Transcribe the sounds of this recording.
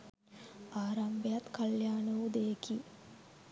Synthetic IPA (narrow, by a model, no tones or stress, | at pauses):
aːɾambejat̪kɐljaːnɐʋud̪ejeki